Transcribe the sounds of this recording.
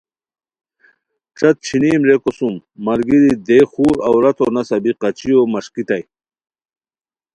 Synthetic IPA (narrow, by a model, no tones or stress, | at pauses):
ʈ͡ʂʰɐt̪̚t͡ɕʰiniːmɾekosumːɐɾɡid̪id̪exuːɾɐwɾɐt̪ʰonɐsɐbiqɐt͡ɕijomɐʂkit̪ɐj